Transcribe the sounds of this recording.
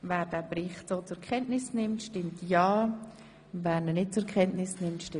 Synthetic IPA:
vɛːɾdɛːbɾɪχtsoːt͡sʊkʰɛntnɪsnɪmtʃtɪmtjaː | vɛːɾnənɪt̚t͡sʊkʰχɛntnɪsnɪmtʃtɪ

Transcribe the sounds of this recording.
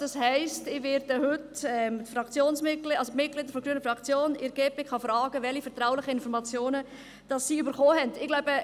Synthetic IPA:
d̥ɑshɛɪstɪʋeɾdəhʏtɛmtfɾɑkt͡sjoːnsmɪtklɑlsomɪt̚kɡlɪd̪əɾfɔɡ̥ɾyːənəfɾɑkt͡sjoːnɪɾɡ̥eːpekχɑfrɑːɡəvɛlifɛɾtɾaʊlɪχəɪnfɔɾmɑt͡sjoːnə | d̥ɑsːiːybəɾχoːɦɛndɪɡ̥laʊbə

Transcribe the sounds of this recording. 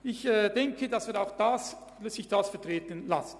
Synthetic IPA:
ɪçɛːd̥ɛŋkʰədɑsvɪːɾaʊxd̥as | sɪçd̥asfɛɐtʁeːtənla̰sən̩

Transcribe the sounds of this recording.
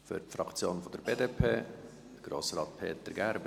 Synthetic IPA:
fø̰tfrɑkt͡sjoːnfɔd̥əɾbeːdeːpʰeː | d̥əɡ̥ɾo̰ːsɾɑːt̪̚pʰeːt̪əɾɡæɾb

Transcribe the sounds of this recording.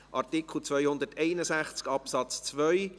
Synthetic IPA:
ʔɑɾtɪkʰl̩ˠt͡svœʏhʊnd̪ərtɛɪnəsæχt͡skɑpsɑt͡st͡sʋœʏ

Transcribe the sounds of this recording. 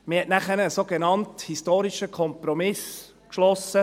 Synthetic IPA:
mɪhɛtnæχəɾəsoːɡ̥enɑnthistoːɾiʃəkʰɔmpɾɔmɪs | kʃlɔsːə

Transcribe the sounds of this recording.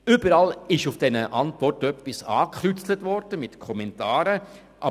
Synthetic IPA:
ʏbəɾɑlɪʃufd̥ɛnəʔɑntvɔrtœpːisɑ̰ːkχɾyt͡slətʋɔɾd̥əmɪtkʰɔmɛntɑːɾə | ʔɑ

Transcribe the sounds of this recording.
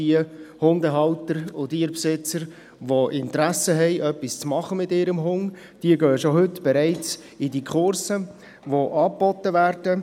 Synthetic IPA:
iəhʊnd̪əɦɑʊtəɾʊdiːɾpsɪt͡səɾ | ʋoʔɪntɾæsəɦɛɪʔœpist͡smɑχəmɪtɪːɾəmɦʊŋ | d̥iəɡøːʃoɦʏtb̥ɛɾæɪt͡s | ɪdikʰχʊɾsə | ʋoʔɑːbɔtːəvæːɾd̥ə

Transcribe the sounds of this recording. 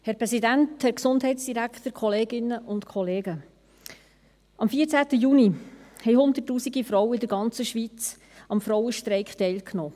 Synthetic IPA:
hɛɾpɾɛsidænthɛɾksʊndɦɛɪtsd̥iɾækχt̪əɾkʰχɔleːɡɪnːəʔʊntkʰɔleːɡə | ɑmfiːəɾt͡sæːtəjunihɛjhʊnd̪ətːuːsiɡifɾɔwəɪdəɾɡɑnt͡səʃʋit͡s | ɑmfɾɔwəʃtɾɛɪkχtɛɪlkʰnɔː

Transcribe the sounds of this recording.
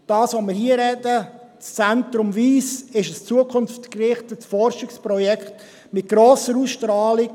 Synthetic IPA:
d̥ɑːsʋomɪːɾhiːəɾɛdət͡st͡sɛntɾʊmviːsɪʃəst͡suəkʰʊnftkrɪχtəsfɔɾʃɪkspɾɔjɛkχt | mɪt̚ɡ̥ɾoːsəɾusʃtɾɑːlɪk

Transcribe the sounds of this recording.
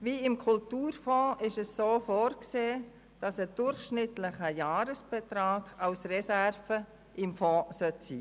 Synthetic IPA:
ʋiːɪmkʰʊltuːrfɔ̃ːɪʃɛsːoːfɔːɾkseː | d̥ɑsəd̥ʊɾχʃnɪtlɪχəjɑːɾəsb̥ɛt̪ɾɑːɡ̥ɑlsrɛsærfə | ʔɪmfɔ̃ːsœtsḭː

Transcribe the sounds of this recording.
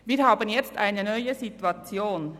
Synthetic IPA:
viːɾɦaːbənjɛt͡stʔaɪnənœʏəzituat͡sjoːn

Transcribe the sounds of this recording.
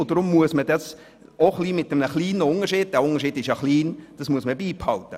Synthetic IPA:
odɾʊmːuəsmədɑs | oχliːmɪt̚dəmnəχliːnəʊnəʃiːd̥̚d̥æːʊŋəɾʃiːdɪʃjɑχliːnd̥ɑsmuəsməbiːphɑltə

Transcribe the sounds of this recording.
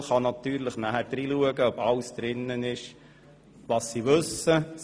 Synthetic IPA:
χɑnɑt̪yːɾləχnæɦæɾd̥̪ɾiːluəɡəœbɑwsd̪̥ɾɪnːənɪʃ | ʋɑsːiʋɵsə

